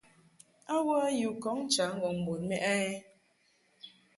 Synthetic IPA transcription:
a˦wə˦a˦ju˨kɔ˨˦ŋ˦t͡ʃa˨˦ŋ̩˦˨ɔ˨m̩˨bo˨nmɛ˦ʔa˦ɛ˦

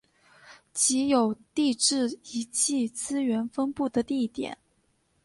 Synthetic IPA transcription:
t͡ɕi˧˥jo˨˩ʊt̪i˥˧ʈ͡ʂɻ̩˥˩i˧˥t͡ɕi˥˩t͡sɹ̩˥ɥɛ˧˥nfə˥npu˥˩d̪ə˩t̪i˥˩˥t̪jɛ̰˨˩˦n

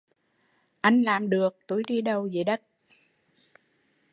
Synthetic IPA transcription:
ʔa˧jŋ̟laː˨˩mɗɨ˨˩ək̚t̪u˨˧˩jɗi˧ɗə˧wze˨˩ɗə˦˥t̚

